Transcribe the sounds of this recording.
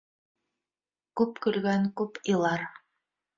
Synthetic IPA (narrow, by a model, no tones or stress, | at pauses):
kʉpkɵ̆lɡæŋkɵpilˠɑɾ